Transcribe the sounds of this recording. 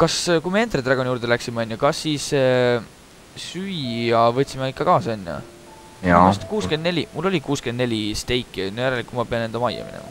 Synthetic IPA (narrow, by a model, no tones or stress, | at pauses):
kɑskujmee̞nt̪ret̪rɑɡ̥o̞nʲjuːɾd̪̥elæksimeɑnʲjɑkɑsːiːs | syjjɑvɤt̪ʲːsimeikːˑɑkɑːsɑnʲːjɑ̰ | ɑst̪kuːskend̪ne̞lʲimulːo̞lʲikuːske̞nd̪ne̞lʲist̪e̞jkːˑnojæɾelikːumɑpe̞ɑnend̪omɑjːɑ̰mḭnḛmɑ̰